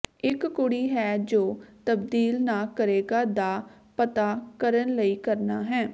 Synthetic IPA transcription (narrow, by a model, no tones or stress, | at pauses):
ɪkkʊɽiːɦɛːd͡ʒoːt̪əbd̪iːlnaːkəɾeːɡaːd̪aː | pət̪aːkəɾənləiːkəɾnaːɦɛː